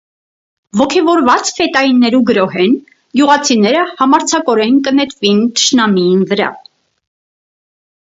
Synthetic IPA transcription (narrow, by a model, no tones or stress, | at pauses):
vɔkʰɛvɔɾvɑt͡sfɛt̪ɑjinːɛɾuɡəɾɔɦɛn | ɡjuʁɑt͡sʰinɛɾəhɑmɑɾt͡sʰɑkɔɾɛnkənɛt̪vint̪ʰə̥ʃnɑmiinvəɾɑ̰